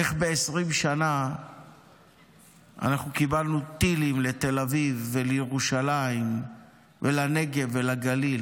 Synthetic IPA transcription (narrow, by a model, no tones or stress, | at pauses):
eχbe̞esʁimʃana | ʔa̰naχnukibalnut̪ilimle̞t̪e̞lavivːelejeʁuʃalaim | velane̞ɡe̞velaɡalil